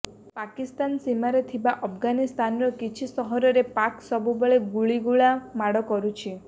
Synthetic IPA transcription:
pakist̪ansimaɾet̪ʰibaʔɔpʰɡanist̪anɔɾɔkit͡ʃʰisɔɦɔɾɔɾepaksɔbubeɭeɡuɭiɡuɭamaɽɔkɔɾut͡ʃʰi

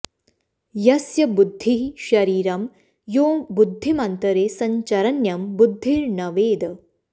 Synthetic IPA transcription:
jɐsjɐbud̪ʱːiʃɐɾiːɾɐm | joːbud̪ʱːimɐnt̪ɐɾeːsɐɲt͡ʃɐɾɐnjɐmbud̪ʱːiɾnɐʋeːd̪

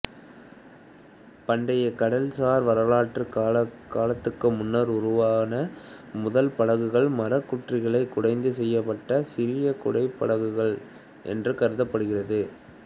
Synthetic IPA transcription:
pɐɳɖɐjɐkɐɽɐlsaːɾʋɐɾɐlaːʈrɯkːɐkaːlɐt̪ːɯkːɯmʊnːɐɾʊrʊʋaːnɐmʊðɐlpɐɻɐɣɯɣɐɭmɐɾɐkːʊʈrɪɣɐɭɐɪkːʊɽɐɪnd̪ɯsɛjːɐpːɐʈːɐsɪɾɪjɐkʊɽɐɪpːɐ̰ɻɐɣɯɣɐɭ | ʔɛ̰ndrɯkɐɾɯðɐpːɐɽɯɣɪrɐðɯ

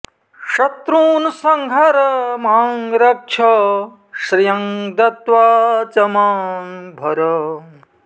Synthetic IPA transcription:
ʂɐt̪ɾuːnsɐŋɡʱɐɾɐmaːŋɾɐk̚t͡ʃʰɐ | ʃɾijɐŋd̪ɐt̪ʋaːt͡ʃɐmaːŋbʱɐɾɐ

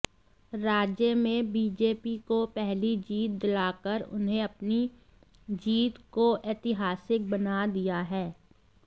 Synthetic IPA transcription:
ɾaːd͡ʒjəmẽbiːd͡ʒeːpikopɛɦlid͡ʒiːt̪̚d̪ɪlaːkəɾʊ̰nɦẽɐpni | d͡ʒiːt̪koʔeːt̪ɪɦaːsɪk̚bɐnad̪ijaɦɛː

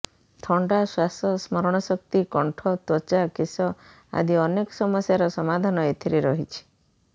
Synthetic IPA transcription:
t̪ʰɔɳɖaswasɔsmɔɾɔɽ̃ɔsɔkt̪ikɔɳʈʰɔt̪wɔt͡ʃakesɔ | a̰d̪ʱiɔnekɔsɔmɔsjaɾɔsɔmad̪ʱanɔet̪ʰiɾiɾɔɦit͡ʃʰi̥

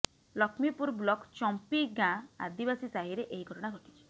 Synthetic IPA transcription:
lɔkʰmipuɾblɔkt͡ʃɔmpiɡãa̰d̪ibasisaɦiɾeʔeɦiɡʱɔʈɔɽ̃aɡʱɔʈi̥t͡ʃʰi̥

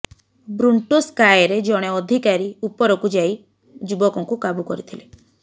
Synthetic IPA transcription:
bɾuɳʈuskajɾed͡ʒɔɽ̃eɔd̪ʱikaɾiupɔɾɔkud͡ʒai | d͡ʒubɔkɔ̃ŋkukabukɔɾit̪ʰile

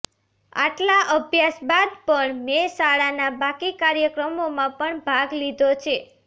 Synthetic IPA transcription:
a̰ʈlaʔəbʱjasbad̪pəɳmesaɭanabakikaɾjəkɾəmomãpəɳbʱaɡlid̪ʱot͡ʃʰe

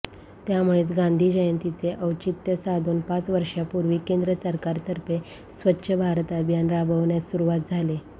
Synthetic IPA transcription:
t̪jamuɭeːt̪ɡãnd̪ʱiːd͡ʑəjənt̪it͡seʔəwt͡ɕit̪jəsad̪ʱuːnpãt͡sʋəɾʂjapuɾʋiːkend̪ɾəsəɾkaɾt̪əɾpe | sʋətːɕʰəbʱaɾt̪əbʱjanɾabʱəʋɳjasuɾuʋat̪̚d͡zʱale

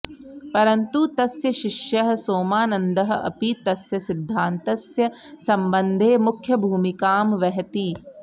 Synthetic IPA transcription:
pɐɾɐnt̪ut̪ɐsjɐʃɪʃjɐɦɐ̆soːmaːnɐnd̪ɐɦɐ̆ɐ̰pit̪ɐsjɐsɪd̪ʱːaːnt̪ɐsjɐ | sɐmbɐ̃nd̪ʱeːmʊkʰjɐbʱuːmikaːmʋɛɦt̪iː

